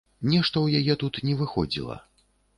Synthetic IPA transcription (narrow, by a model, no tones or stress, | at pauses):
nʲɛʂt̪ɐwjajɛt̪ut̪nʲɛvɨxɔ̰d͡zʲḭlˠɐ̰